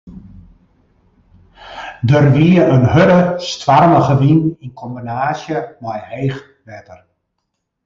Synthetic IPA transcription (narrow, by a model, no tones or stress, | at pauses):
dərʋiəənhøɾəstʋarməɣəʋininkʰɔmbinaːsjəmajheːx | ʋɛtər